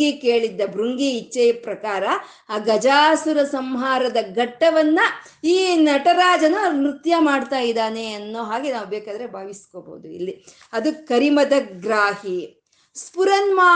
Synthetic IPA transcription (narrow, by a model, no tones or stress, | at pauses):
ɡikeːɭid̪ːɐbɾuŋɡiːt͡ʃːɐjpɾɐkaːɾɐː | ɡɐd͡ʒaːsuɾɐsɐmɦaːɾɐd̪ɐɡɐʈːɐʋɐnːɐ | iːnɐʈɐɾaːd͡ʒɐnɐnɾut̪jɐmaːɖt̪aːjid̪aːne̞ɐnːoːɦaːɡe̞naːʋubɛːkaːd̪ɐɾebʱaːʋiskoːbo̰ud̪uḭlːi | ɐd̪ukɐɾimɐd̪ɐɡɾaːhi | spuɾɐnmaː